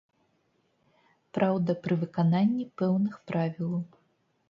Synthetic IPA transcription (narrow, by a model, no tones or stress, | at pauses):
pɾʔawd̪ɐpɾɨvɨkananʲːipɛwnɨxpɾʔavʲilˠɐw